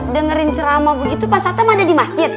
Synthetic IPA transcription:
dəŋəɾɪnt͡ʃəɾamabəɡit̪upasat̪amadadimasd͡ʒɪt̪̚

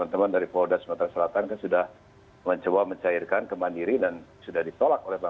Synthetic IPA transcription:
ant̪əmandaɾipodasəmat̪ɾasəlat̪ankansudah | məɲt͡ʃəwaməɲt͡ʃairkankəmandiɾidansudahdit̪olak̚olɛhpa

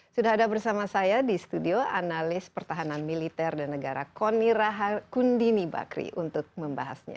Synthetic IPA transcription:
sudaɦadabərsamasajadisə̥t̪udioanalɪspərt̪aɦananmilit̪ɛrdanːəɡaɾa̰koniɾaɦakundiniba̰kɾḭʔunt̪ʊk̚məmba̰ɦa̰sɲa̰

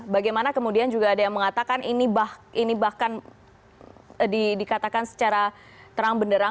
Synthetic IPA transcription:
baɡajmanakəmudiand͡ʒuɡaːdajaŋməŋat̪akanʔinibahinibahkan | didikat̪akansə̥t͡ʃaɾa | t̪əɾaŋbəndəɾa

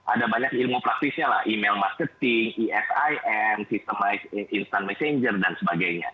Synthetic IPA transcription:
ʔa̰dabaɲakilmupɾak̚t̪isɲala̰hʔimelmarkət̪ɪŋiʔɛsajʔɛmsist̪əmaikinst̪anmɛseɲd͡ʒərdansəbaɡajɲa̰

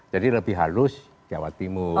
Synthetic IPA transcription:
d͡ʒ̥adiləbɪhɦalʊs | d͡ʒ̥ia̰wa̰t̪imu

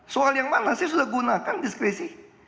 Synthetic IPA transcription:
soaljaŋmanasisudahɡunakandiskɾɛsi

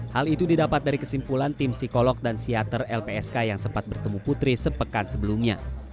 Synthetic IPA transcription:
halit̪udidapat̪̚daɾikəsimpulant̪imsikolɔk̚dansiat̪ərɛlpeɛskajaŋsəmpat̪̚bərt̪əmuput̪ɾisəpəkansəbəlumɲa̰

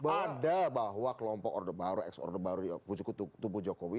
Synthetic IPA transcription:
badabaɦwakəlɔmpɔkɔ̰rdəbaɾuɛ̰ksɔ̰rdəbaɾuput͡ʃukut̪ut̪ubud͡ʒɔkowi

